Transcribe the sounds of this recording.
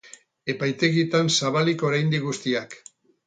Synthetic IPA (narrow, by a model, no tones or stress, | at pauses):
e̞pajt̪e̞ɣit̪ansaβaliko̞ɾajnd̪iɣust̪iak